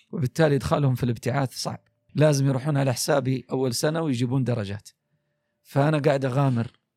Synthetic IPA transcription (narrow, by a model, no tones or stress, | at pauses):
wɪbɪt̪ːaːlijd̪xalhʊmfilɪbt̪ɪʕaːd̪sˤɑ̰ʕb̥̚ | laːzɪmjɾˤuːħuːnʕalaħɪ̥saːbiʔawːalsanawɪjd͡ʒiːbuːnd̪ɑɾˤɑd͡ʒa̰ːt̪ | faʔanaɡaːʕɪd̪ʔaɣaːmɪɾ